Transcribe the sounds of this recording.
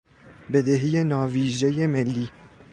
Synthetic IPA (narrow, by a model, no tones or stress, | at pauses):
bed̪eɦijenɒːviːʒejemelːiː